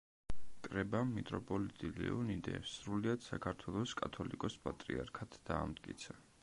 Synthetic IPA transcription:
kʼɾɛbamːit̪ʼɾɔpʼɔlit̪ʼilɛ̰unid̪ɛ̰sɾuliad̪̥sakʰaɾt̪ʰwɛlˠɔskʼat̪ʰɔlikʼɔspʼat̪ʼɾiaɾkʰat̪ʰd̪̥aːmt̪̚ʼkʼḭt̪sʰa

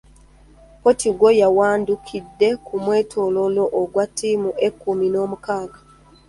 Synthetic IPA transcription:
potiɡwojawaːndukʰidːe̞kʰumwe̞ːtʰololoʔːɡwatːiːmuʔe̞kːumino̞ːmukaːɡa

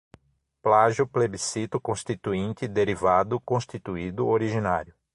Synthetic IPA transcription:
plaʒʊplebisit̪ʊkõst̪it̪uĩnt̪ɪd̪eɾivad̪ʊkõst̪it̪uid̪ʊoɾiʒina̰ɾjʊ

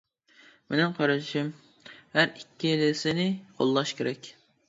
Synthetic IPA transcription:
mʔenɪŋqʰɑɾɨʃɪm | hæɾikʲʰːielɪsɪnɪqʰo̰lˠːɑʃkʲeɾɛkʲ

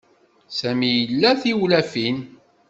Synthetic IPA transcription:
sæmijəlːæθiwlæfin

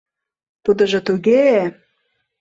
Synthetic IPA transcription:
t̪ud̪ə̆ʒɤ̆t̪uɣe

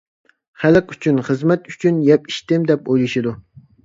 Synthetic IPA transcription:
χælɨqy̥t͡ʃʰynχəzmɛt̪y̥t͡ʃʰynjɛpi̥ʃt̪ɪmd̪ɛpojlˠuʃid̪u

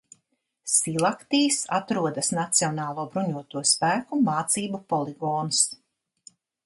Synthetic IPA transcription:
silˠakt̪iːsa̰t̪ɾuɔd̪asnat̪siɔnaːlˠuɔbɾuɲuɔt̪uɔspæːkumaːt̪siːbupɔlˠiɡɔːns

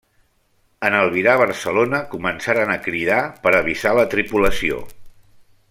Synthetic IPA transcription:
ənəlˠβiɾaβ̞əɾsəlonəkumənsaɾənəkɾiðapəɾəβizalət̪ɾipuləsio̰

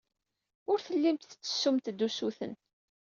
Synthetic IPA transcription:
ʊɾθəlːimt̪t͡sːə̥sːumt̪d̪ːusuθə̰n

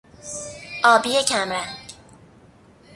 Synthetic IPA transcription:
ʔɒːbijecʰæmɾænɟ̥

